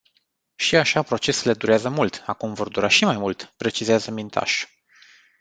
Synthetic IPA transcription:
ʃiaʃapɾo̞t͡ʃe̞sule̞d̪uɾeazəmult̪akumvo̞rd̪uɾaʃimajmult̪pɾe̞t͡ʃizeazəmint̪ʰa̰ʃ

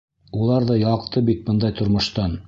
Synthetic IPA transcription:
ulˠɑɾðɑjɑqt̪ɤbit̪̚bɤnd̪ɑjt̪ŏɾmŏʃt̪ɑn

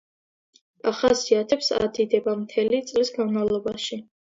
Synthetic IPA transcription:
aχasiat̪ʰɛpsa̰d̪id̪ɛbamt̪ʰɛlit̪sʼlisɡanmavlˠɔbaʃi

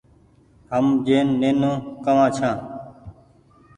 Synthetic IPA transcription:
həmd͡ʒeːnːeːnõːkəʋãːt͡ʃʰãː

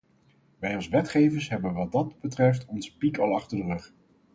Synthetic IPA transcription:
ʋɛjɑlˠsʋɛtχejvəɹsɦɛbənʋɑt̚dɑdbətrɛftɔnspikɑlˠɑχtəɹdərɵχ

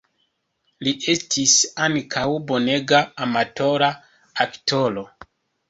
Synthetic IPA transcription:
liʔe̞stisankʰawbo̞ne̞ɡaːmato̞ɾa | akto̞lo̞

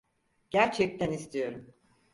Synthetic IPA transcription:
ɟ̥æɾt͡ʃʰɛc̚t̪ʰænist̪ʰijo̞ɾum

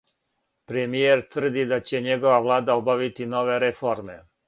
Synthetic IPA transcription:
pɾemijeɾt̪ʋr̩d̪id̪at͡ɕe̞ɲeɡo̞ʋaʋlˠaːd̪aobaʋit̪ino̞ʋe̞ɾefoɾme̞

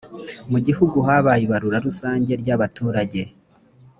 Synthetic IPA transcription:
muɟihuɡuɦaβajiβaɾuɾaɾusaːɲɟe̞ɾɟaβatuːɾaɟe̞

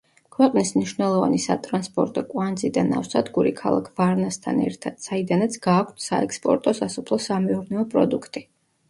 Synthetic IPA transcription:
kʰwɛqʼnismniʃvnɛlˠɔva̰nisat̪ʼɾanspʼɔɾt̪ʼɔkʼwand̪zid̪ana̰fsad̪ɡuɾikʰalˠa̰kʰvaɾnast̪ʰa̰nɛ̰ɾt̪ʰad̪̥said̪anat̪sʰɡaːkʷʰt̪ʰsaɛkspʼɔ̰ɾt̪ʼɔsasupʰlˠɔsamɛuɾnɛɔpʼɾɔd̪ukʰt̪ʼi

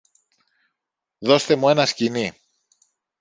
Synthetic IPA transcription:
ðo̞st̪e̞mue̞nɐscini

